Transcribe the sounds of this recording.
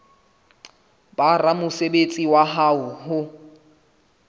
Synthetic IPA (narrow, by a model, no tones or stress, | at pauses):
baramʊsebet͡sʼiwaɦaʊhʊ